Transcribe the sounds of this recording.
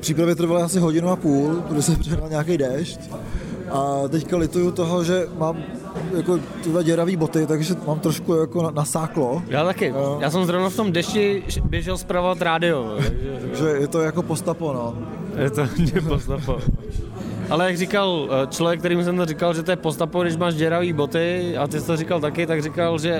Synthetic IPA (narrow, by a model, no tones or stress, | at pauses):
pr̥iːp̬ɾavjɛt̪r̩valɪasɪɦoɟɪnuapuːlɡɾosɛpr̥ɪɦnalɲaːkɛjdɛʃcʔat̪ɛckalɪt̪ujut̪oɦoʒɛmaːm | jakot̪ɪdvaɟɛɾaviːbot̪ɪt̪aɡʒɛmaːmt̪ɾoʃkujakonasaːklojaːt̪akɪojaːs̬ɛmzɾovnaft̪o̞mdɛʃɪbjɛʒɛlspɾavovat̪ɾaːdɪovo̰t̪aɡʒɛʒɛjɛt̪ojakopost̪apono | jɛt̪oɦɲɛppost̪apo | ʔalɛjaɡrɪkalt͡ʃlovjɛk̚t̪ɛɾiːmus̬ɛmt̪orɪkalʒɛt̪ojɛpost̪apoɡdɪʃ̬maːʃɟɛɾaviːbot̪ɪat̪ɪsɪ̥t̪oɾɪkalt̪akɪt̪aɡrɪkalʒɛ